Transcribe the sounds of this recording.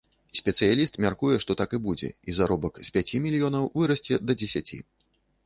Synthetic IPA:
sʲpʲɛt̪sɨjalʲist̪mʲarkujɛʂt̪ɔt̪akɨbud͡zʲɛ̰izaɾɔbɐkspʲat͡sʲimʲilʲijɔnɐwvɨɾɐsʲt͡sʲɛd̪ɐd͡zʲɛsʲat͡sʲḭ

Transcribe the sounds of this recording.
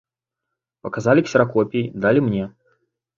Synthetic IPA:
pɐkazalʲiksʲɐɾakɔpʲejd̪alʲimnʲɛ

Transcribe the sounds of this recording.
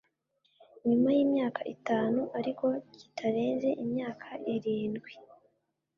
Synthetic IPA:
ɲumajiːmɲaːkaʔitaːnuʔaɾiko̞ci̥tʰaɾe̞ːnze̞ʔimɲaːkʰaʔiɾiːnɡwi

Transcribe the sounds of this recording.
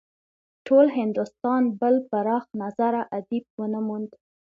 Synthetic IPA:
ʈʰolɦɪnd̪ʊst̪ɑnbəlpəɾɑxnazaɾaʔad̪ib̚wənəmund̪

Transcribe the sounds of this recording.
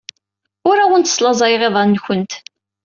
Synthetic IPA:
ʊɾawʊnt̪əslɑzˤɑjʁeðˤɑnːçənt̪

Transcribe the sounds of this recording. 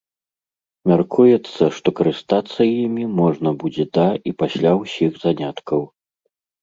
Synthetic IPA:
mʲarkʰujɛt̪sːɐʂt̪ɔkɐɾɨst̪at̪sːɐjimʲimɔʐnɐbud͡zʲɛd̪ɐipasʲlʲawsʲixzanʲat̪kɐw

